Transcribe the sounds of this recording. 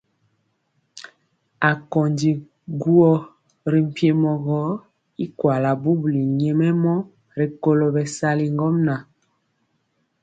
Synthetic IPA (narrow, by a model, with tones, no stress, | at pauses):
a˨kɔ˨ndi˨ | ɡu˦ɔ˦ | ɾi˨m̩˨pje˦mɔ˨ɣɔ˦ | i˦kwa˨la˨bu˦bli˨ɲɛ˦mɛ˦mɔ˦ | ɾi˨ko˦lo˨bɛ˨sa˦li˨ŋɡɔ˦mna˨